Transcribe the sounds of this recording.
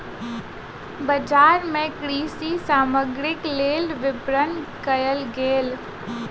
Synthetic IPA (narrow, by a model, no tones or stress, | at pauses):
bəd͡ʒaːɾmẽkɾiːsisaːməɡɾɪkleːlʋɪbɾənkəjəlɡeːl